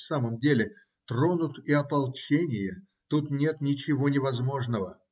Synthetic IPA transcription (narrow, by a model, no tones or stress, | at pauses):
saməmdʲelʲɪ | t̪ro̞nʊt̪ɪɐpɐlˠt͡ɕenʲɪjə | t̪ut̪nʲe̞t̪nʲɪt͡ɕɪvo̞nʲɪvɐzmo̞ʐnəvə